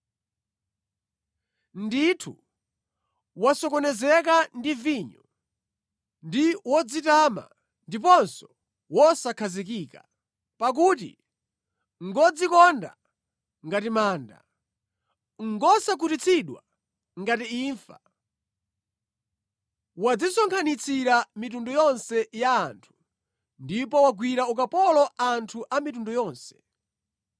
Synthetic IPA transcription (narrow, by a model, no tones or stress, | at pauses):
nditʰṵ | wasɔkɔnɛzɛkandiviɲɔ | ndiwɔd͡zitama̰ | ndip̬ɔnsɔ̥ | wɔsakʰazik̬ika | pak̬ut̬ḭ | ŋɡɔd͡zikɔnda̰ | ŋɡatimaːnda̰ | ŋɡɔsak̬utit͡sʰiɗwa̰ | ŋɡatiːɱfa̰ | wad͡zisɔŋkʰanit͡sʰiɾamit̬undɔjɔnsɛjaːntʰu̥ | ndipɔwaɡwiɾaukapɔlɔantʰuʔamitundɔjɔːnsɛ̥